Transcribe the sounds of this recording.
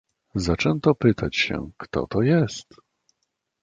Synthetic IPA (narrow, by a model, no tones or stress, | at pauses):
zat͡ʂɛnt̪ɔpɘt̪at͡ɕɕɛ̰kt̪ɔ̰t̪ɔjɛst̪